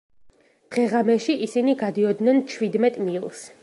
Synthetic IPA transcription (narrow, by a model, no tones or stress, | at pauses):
d̪̥ʁɛʁamɛʃiʔisiniɡad̪iɔd̪nɛnt͡ʃʰwid̪mɛt̪ʼmilˠs